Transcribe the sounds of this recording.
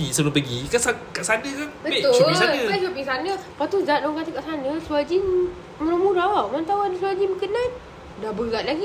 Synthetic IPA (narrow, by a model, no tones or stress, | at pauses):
isəblupəɡikasakaʔsanəkanbəbet̪ʊsaləbat͡ʃupiŋsanəpat̪uzat̪̚lŋkat̪əkaʔsanəsuad͡ʒin | məɾamuɾaamant̪awadəsuad͡ʒiməkənan | dabəɡaʔ̪̚laɡi